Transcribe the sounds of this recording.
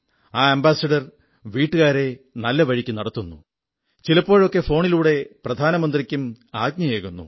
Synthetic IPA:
aːɐmbaːsɐɖɐr | ʋiːʈːɨɣaːɾe̞nɐlːɐʋɐɻikʲːunɐɽɐt̪ːunːṵ | t͡ɕilɐpːo̞ːɻo̞kːe̞fo̞ːɳiluːɽe̞prɐd̪ʱaːnɐmɐnd̪rikʲːum | aːɡ̚ɲɐjeːkunːṵ

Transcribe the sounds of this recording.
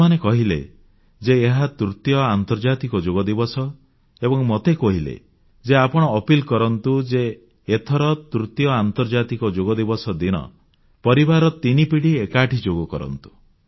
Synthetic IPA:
anekɔɦilḛ | d͡ʒeːɦat̪ɾut̪jɔant̪ɔɾd͡ʒat̪ikɔd͡ʒoɡɔd̪ibɔsɔ | ebɔŋmɔt̪ekɔɦilḛ | d͡ʒeapɔɽ̃ɔːpilkɔɾɔnt̪ud͡ʒeː | t̪ʰɔɾɔt̪ɾut̪jɔant̪ɔɾd͡ʒat̪ikɔd͡ʒoɡɔd̪ibɔsɔd̪iɽɔ̰ | pɔɾibaɾɔt̪inipiɽiekaʈʰid͡ʒoɡɔkɔɾɔ̰nt̪u̥

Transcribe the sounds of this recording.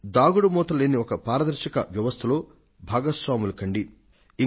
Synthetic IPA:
d̪aːɡuɽɐmɔːt̪ɐleːniɔkɐpaːɾɐd̪ɐɾʃɐkɐ̰ʋjɐʋɐst̪ʰɐlo̞ː | bʱaːɡɐsʋaːmulɐkɐɳɖi | i

